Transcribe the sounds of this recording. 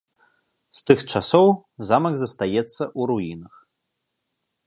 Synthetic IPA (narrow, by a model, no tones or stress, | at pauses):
st̪ɨxt͡ʂasɔwzamɐɡzɐst̪ajɛt̪sːɐʔuɾujinɐx